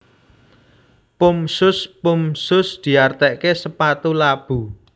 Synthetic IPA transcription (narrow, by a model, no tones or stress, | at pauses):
pʊmsʊspʊmsʊsd̪̥i̤art̪ɛʔkesəpat̪ulab̥ṳ